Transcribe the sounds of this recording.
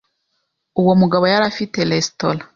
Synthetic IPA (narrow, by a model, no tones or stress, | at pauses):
uwo̞muɡaβo̞jaɾafitelestola